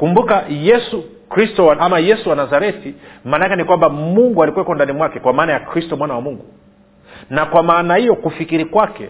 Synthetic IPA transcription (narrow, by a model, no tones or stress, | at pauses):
kumbukajɛsu | kɾistɔwaʔamajɛsuwanazaɾɛtimaːnakɛnikwambamuŋɡualikwɛkɔndanimwakɛkwamaːnajakɾistɔmwanawamuŋɡu | nakwamaːnahijɔkufikiɾikwakɛ̰